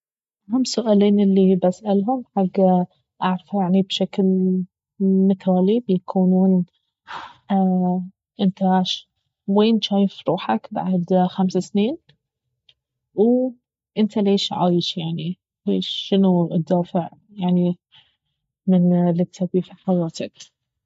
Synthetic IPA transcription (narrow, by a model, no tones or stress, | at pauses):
ʔahamːsʊʔaːleːnɪlːibasʔalɦʊmħaɡː | ʔaʕɾˤɑfajaʕnibʃakl | mɪθaːlibjakʰuːnuːn | ʔɪnt̪ʰaaʃ | weːnt͡ʃaːjɪfɾuːħakba̰ʕad̪xamsasniːn | w | ʔɪnt̪aleːʃʕa̰ːjɪʃjaʕni | leːʃːɪnuʔad̪aːfɪʕjaʕni | mɪnlɪt̪ʰːabiːfaħɑwɑːt̪ak